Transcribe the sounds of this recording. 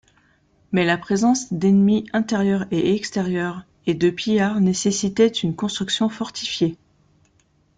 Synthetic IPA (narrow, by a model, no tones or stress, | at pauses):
mɛlapχezɑ̃sd̪ɛnmiɛ̃t̪eʁjœʁeʔɛkst̪eʁjœʁ | ed̪əpijaʁnesesit̪ɛt̪ynkɔ̃st̪χyksjɔ̃fɔʁt̪ʰifje